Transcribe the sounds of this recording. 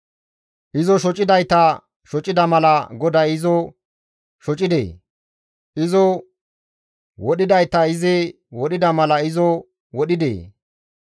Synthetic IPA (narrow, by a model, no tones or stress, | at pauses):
ʔɪzɔʃɔt͡ʃʼɪd̪ɐjt̪ɐ | ʃɔt͡ʃʼɪd̪ɐmɐlɐɡɔd̪ɐjɪzɔ | ʃɔt͡ʃʼɪd̪ḛː | ʔɪzɔ | wɔɗɪd̪ɐjt̪ɐɪzɪ | wɔɗɪd̪ɐmɐlɐɪzɔ | wɔɗɪd̪ḛː